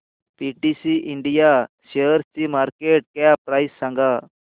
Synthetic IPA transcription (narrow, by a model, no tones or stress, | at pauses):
piʈisiʔiɳɖijaɕeəɾt͡ɕiːmaɾkeʈ̚kjapɾajsːãŋɡa